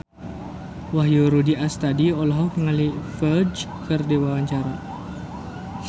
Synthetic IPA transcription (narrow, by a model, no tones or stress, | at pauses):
waɦjoɾudiast̪adiɔlaɦɔkŋalifərd͡ʒ | kərdewawaɲt͡ʃaɾa